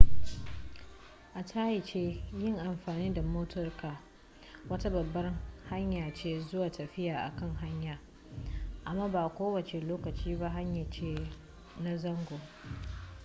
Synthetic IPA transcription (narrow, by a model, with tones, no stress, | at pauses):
ʔa˨tʰaː˦jɪ˨t͡ʃeː˦jɪ˦˨ŋʔa˨mɸaː˨niː˦da˨moː˦tʰɔ˦rkaː˨ | wɐ˦ta˦bɐ˨bːɐ˦rha˦ɲjaː˨t͡ʃeː˦zʊ˦waː˨tɐ˨ɸɪ˦jaː˨ʔa̰˨kɐ˦˨ŋɦa˦ɲjaː˨ | ʔa˨mːaː˦baː˨kʷoː˦wɐ˨t͡ʃe˨loː˦kɐ˨t͡ʃiː˦ba˦ɦa˦ɲja˨t͡ʃeː˦ | na˦zɐ˦ŋɡʷo˨